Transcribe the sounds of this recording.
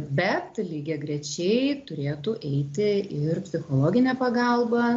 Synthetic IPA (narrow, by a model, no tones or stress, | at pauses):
bʲɛt̪lʲiːɡʲɛɡɾʲɛt͡ʃʲɛɪt̪ʊɾʲeːt̪ʊʔɛɪt̪ʲɪɪrpʲsʲɪxoːlˠoːɡʲɪnʲɛːpɐɡɑlˠbɐ